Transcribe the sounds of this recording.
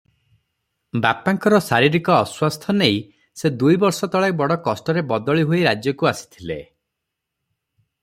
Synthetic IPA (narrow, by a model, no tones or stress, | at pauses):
bapaŋkɔɾɔsaɾiɾikɔːswast̪ʰɔnej | sed̪ujbɔɾsɔt̪ɔɭabɔɽɔkɔsʈɔɾebɔd̪ɔɭiɦoiɾad͡ʒjɔkuasi̥t̪ʰilḛ